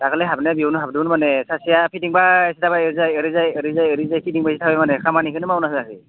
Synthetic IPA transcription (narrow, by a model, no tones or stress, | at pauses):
takʰalɛɦabnɛbiwnuɦabdunmanɛsasijapʰidiŋbaesitʰabaeɾzajeɾizajeɾizajeɾizajpʰitiŋbajsitʰabɛmanɛkʰamanikʰɯnɯmawnasɯzasɯ